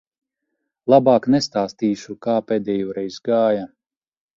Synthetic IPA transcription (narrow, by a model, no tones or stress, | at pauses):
lˠabaːknɛst̪aːst̪iːʃukaːpeːd̪ɛːjɔːɾɛjzɡaːjɐ